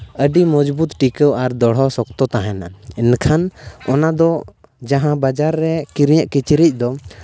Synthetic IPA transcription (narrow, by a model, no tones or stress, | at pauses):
əɖimɔd͡ʒbut̪ʈikəwaɾd̪ɔɽ̤ɦɔsɔk̚t̪ɔt̪aɦɛnaɛnkʰanɔnad̪ɔ | d͡ʒaɦãbad͡ʒaɾːɛkiɾɲəʔkit͡ʃɾic̚d̪ɔ